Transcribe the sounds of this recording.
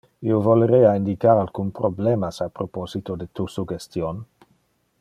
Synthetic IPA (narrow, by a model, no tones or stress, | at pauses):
iovoleɾeaind̪ikaɾalkunpɾoblemasapɾopozit̪od̪et̪usuɡest̪jon